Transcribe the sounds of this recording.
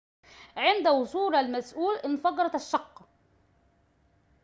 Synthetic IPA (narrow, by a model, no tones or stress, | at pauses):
ʕɪnd̪awʊsˤuːlalmæsʔuːlʔɪnːfɑɡɑɾˤɑt̪aʃːɑqː